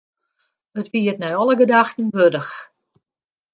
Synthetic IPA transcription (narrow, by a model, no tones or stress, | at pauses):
ətʋiətnɛjɔlˠəɡədaxtən̩ʋødəx